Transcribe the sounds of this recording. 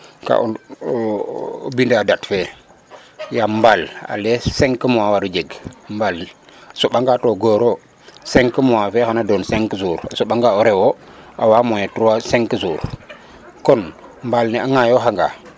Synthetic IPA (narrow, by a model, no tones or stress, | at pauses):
ka̰ʔo | bindadatfe | jambala̰lɛseŋkəmuwawaɾud͡ʒeɡmbalasoɓaŋɡatoɡoɾo | seŋkəmuwafɛhanadonseŋkəsuːɾasuɓaŋɡaoɾɛwoawamojetuwaseŋkəsuːɾ | kɔnmbalnɛaŋajoɦaŋɡa̰